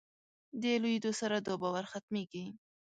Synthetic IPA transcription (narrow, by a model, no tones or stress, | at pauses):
d̪elujd̪osaɾad̪obawaɾxat̪meɡi